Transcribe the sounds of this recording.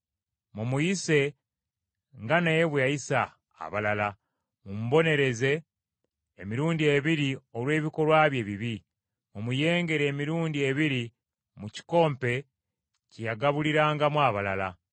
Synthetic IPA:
mumujise̞ | ŋɡanajeβweajisa̰ː | βalala | mumuβo̞ne̞ɾe̞ze̞ː | miɾuːndie̞βiɾio̞lwe̞ːβiko̞ɾwaːβje̞ːβiβi | mumuje̞ːŋɡe̞ɾe̞ːmiɾuːndie̞βiɾi | muci̥ko̞ːmpe̞ | cejaɡaβuliɾaːŋɡamwaːβalala

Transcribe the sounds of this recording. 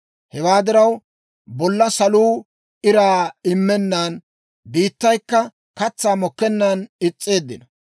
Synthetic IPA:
hɛwaːd̪ɪɾɐw | bɔlːɐsɐluː | ʔɪɾaːɪmːɛnːaːn | biːt̪ːɐjkːɐ | kɐt͡sːaːmɔkːɛnːanɪt͡sʼːe̞ːd̪ːɪnɐ

